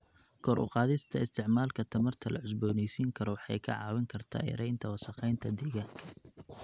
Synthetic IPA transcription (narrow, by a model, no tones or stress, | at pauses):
kʰɔːɾʔʊ̰qɑːðɪst̪ʰɐɪst̪ʰɪʕmaːlkʰɐt̪ʰɐmɐrt̪ʰɐlʔɐ̰ʕʊs̬bɔːnɛjsiːŋkʰɐɾɔwɑħɑ̰jkʰɐ̰ʕɑ̰ːwɪŋkʰɐrt̪ʰa̰ːjɪ̰ɾɛjnt̪ʰɐwɑsɑqɛjnt̪ʰɐd̪ɪɣɐ